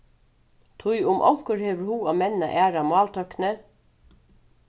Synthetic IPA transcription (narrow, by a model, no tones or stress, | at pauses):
t̪ʰʊjʊmʔɔ̰ŋ̥kəɾheːʋəɾhuːaːmɛnna̰ʔæːɾamɑːlt̪ʰœknə